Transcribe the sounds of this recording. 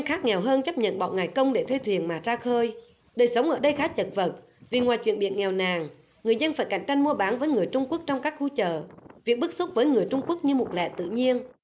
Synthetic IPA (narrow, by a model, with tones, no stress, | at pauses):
nxaː˦˥k̚ŋɛ˨˩wɦəː˧nt͡ɕə˦˥p̚ɲə̰˧˨nɓɔ̰˧˨ŋaː˨˩jkə˧wŋ͡mɗe˧˩t̪ʰe˧t̪ʰwi˨˩ənmaː˨˩zaː˧xəː˧j | ɗəː˨˩jsə˨˦wŋ͡mʔəː˧˩ɗə˧jxaː˨˦˥t͡ɕə˨˩t̚və˨˩t̚ | vi˨˩ŋwaː˨˩jt͡ɕwḭ˧˨nɓḭ˧˨ənŋɛ˨˩wnaː˨˩ŋ | ŋɨ˨˩əjzə˧nfaː˧˩jka̰˧˩jŋ̟t͡ɕa˧jŋ̟mu˧əɓaː˨˦nvəː˨˦jŋɨ˨˩əjt͡ɕʊ˧ŋ͡mku˦˥ək̚t͡ɕɔ˧wŋ͡mkaː˦˥k̚xu˧t͡ɕəː˧˨vi˨˩ək̚ɓɨ˦˥k̚su˦˥t̚vəː˨˦jŋɨ˨˩əjt͡ɕʊ˧ŋ͡mku˦˥ək̚ɲɨ˧mo˨˩t̚lɛ̰˧˨t̪ɨ̰˧˨ɲi˧ən